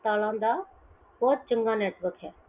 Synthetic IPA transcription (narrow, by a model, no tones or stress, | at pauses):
t̪aːlãːnd̪aː | bɔːt̪̚t͡ʃə̃ŋɡãneːʈʋəɾkʰɦɛː